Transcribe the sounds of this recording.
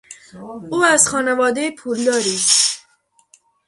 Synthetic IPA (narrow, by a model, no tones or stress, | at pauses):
uazxɑnawɑd̪epʰuld̪ɑɾi